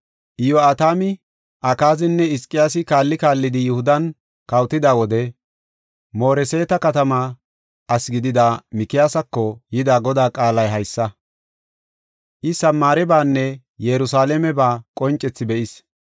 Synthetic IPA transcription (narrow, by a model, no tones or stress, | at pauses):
ʔɪjoaːt̪aːmɪ | ʔɐkaːzɪnːɛɪskʼːɪjaːsɪkaːlːɪkaːlːɪd̪ɪjʊhʊd̪ɐn | kɐwt̪ɪd̪aːwɔd̪ɛ | mo̞ːɾɛseːt̪ɐkɐt̪ɐma | ɐsɡɪd̪ɪd̪aːmɪkɪjaːsɐkːɔjɪd̪aːɡɔd̪aːkʼaːlɐjɦɐjsːɐ | ʔɪsɐmːaːɾɛbaːnːɛ | jɛɾʊsaːlɛmɛbaːkʼɔnt͡ʃʼːɛt͡sːɪbɛʔɪs